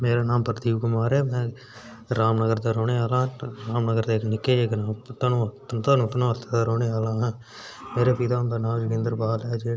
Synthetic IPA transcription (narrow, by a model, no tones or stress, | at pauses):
meːɾaːnaːmpəɾd̪iːʋkʊmaːɾɛːmɛ̃ː | ɾaːmnəɡəɾd̪aːɾoːɽeːaːlãːɦɾaːmnəɡəɾd̪eːknɪkːeːeːknaːt̪aːnũːt̪t̪aːnũːt̪nõːət̪ʰːaːd̪aːɾoːneːaːlãːɦɛ̃ː | meːɾeːpɪt̪ãːbənaːd͡ʒɪkẽːnd̪əɾbaːlɛːd͡ʒeː